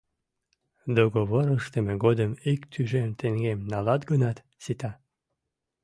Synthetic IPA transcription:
d̪oɣoβoɾəʃt̪əmeɡod̪əmikt̪ʰyʒemt̪eŋɡemnɑlɑt̪ɡənɑt̪ | sit̪ɑ

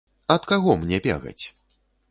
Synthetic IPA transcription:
ɐt̪kaɣɔmnʲɛpʲɛ̰ɣɐ̰t͡sʲ

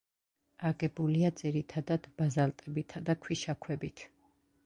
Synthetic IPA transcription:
aɡɛbuliad̪ziɾit̪ʰad̪ad̪bazalt̪ʼɛbit̪ʰad̪akʰwiʃakʰwɛbit̪ʰ

